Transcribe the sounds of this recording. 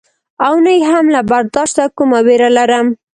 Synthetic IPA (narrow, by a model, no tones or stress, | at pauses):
awnəjɦamlabaɾd̪ɑʃt̪akumaweɾalaɾəm